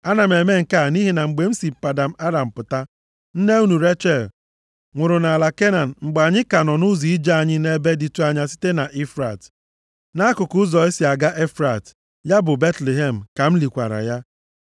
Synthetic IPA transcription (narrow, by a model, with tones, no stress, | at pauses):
a˦na˨m̩˨e˨me˦ŋ̩˨ka˦˨ni˦ɦi˨na˨ŋ͡m̩˨ɡ͡be˨m̩˦si˨pa˨da˨m̩˦a˦ɾa˨m̩˨pʊ˨ta˦ | n̩˦ne˦u˦nu˨ɾe˦t͡ʃɛ˨l | ŋʷʊ˨ɾʊ˨na˨la˨ke˦na˨n̩˨ŋ͡m̩˨ɡ͡ba˨ɲɪ˦ka˨nɔ˨nʊ˦zi˨i˦d͡ʒa˦a˨ɲɪ˦ne˦be˦di˨tu˨a˨ɲa˨si̥˦te˦na˨ʔi˦fɾa˨t | na˦kʊ˨kʊ˦ʊ˦zɔ˨e˦si˨a˨ɡa˦ʔe˦fɾa˨t | ja˦bʊ˨be˦tle˨ɦe˨m̩˨ka˨m̩˦li˨kʷa̰˨ɾa̰˨ja˦